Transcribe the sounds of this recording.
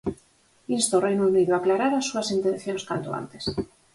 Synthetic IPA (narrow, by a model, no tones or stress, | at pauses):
ist̪orejnouniðoaklaɾaɾasːuasint̪en̟θjonskant̪oa̰nt̪es